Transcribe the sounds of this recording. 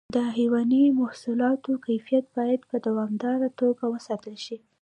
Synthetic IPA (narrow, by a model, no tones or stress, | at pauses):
d̪əɦiwɑnimahsulɑt̪okajfijat̪̚bɑjad̪pəd̪awɑmd̪ɑɾat̪oɡawəsɑt̪əlʃi